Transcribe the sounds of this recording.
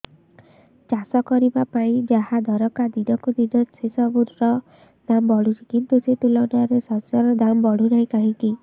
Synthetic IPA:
t͡ʃasɔkɔɾibapaĩd͡ʒaɦad̪ʱɔɾɔkad̪id̪ɔkud̪id̪ɔsesɔbuɾɾɔ | nambɔɽut͡ʃikint̪uset̪ulɔnaɾesɔsjɔɾɔd̪ambɔɽunaj̃kaɦĩŋki

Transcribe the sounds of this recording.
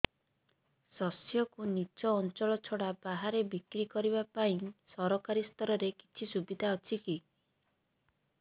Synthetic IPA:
sɔsjɔkunit͡ʃɔːnt͡ʃɔɭɔt͡ʃʰɔɽabaɦaɾebikɾikɔɾibapaĩsɔɾɔkaɾist̪ʰɔɾɔɾeki̥t͡ʃʰisubid̪ʱaɔt͡ʃʰiki

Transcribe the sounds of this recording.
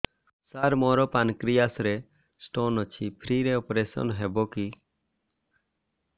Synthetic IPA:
saɾmɔɾɔpankɾijasɾe | sʈonɔt͡ʃʰipʰɾiɾeɔpɾesɔ̰nɦebɔki

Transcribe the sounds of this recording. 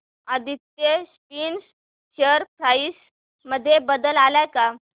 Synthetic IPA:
ad̪ʱit̪ːespiːns | ɕəɾpʰɾais | məd̪ʱːjebəd̪əlalajka

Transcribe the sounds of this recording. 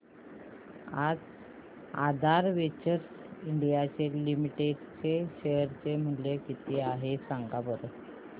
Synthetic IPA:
ad͡z | a̰d̪ʱaɾʋet͡ɕəɾs | iɳɖijat͡ɕelimiʈeɖt͡seɕejəɾt͡sem̤əlekit̪iaɦesaŋɡabəɾ

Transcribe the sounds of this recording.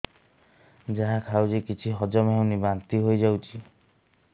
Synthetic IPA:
d͡ʒaɦakʰawd͡ʒekit͡ʃʰiɦɔd͡ʒɔmaɦwnibant̪iɦojd͡ʒawt͡ʃʰi

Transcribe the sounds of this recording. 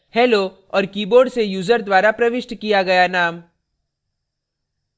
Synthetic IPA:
hɛːlo | ɔːɾkiːboːɾɖsejuːzəɾd̪waːɾapɾɐʋɪʃʈkijaɡɐjanaːm

